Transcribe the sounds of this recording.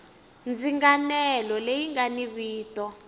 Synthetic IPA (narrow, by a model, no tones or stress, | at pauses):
nd͡ziŋɡanɛlɔlejiŋɡaniβiːtɔ